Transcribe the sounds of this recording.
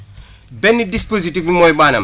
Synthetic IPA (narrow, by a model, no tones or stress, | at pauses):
bɛnidispozitivimɔjɓana̰m